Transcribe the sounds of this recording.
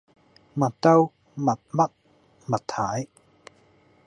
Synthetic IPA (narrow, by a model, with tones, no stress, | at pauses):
ma˨˩t̪a˧w | ma˨t̪̚ma˦˥t̪̚ | ma˨˩t̪ʰːa˨˦j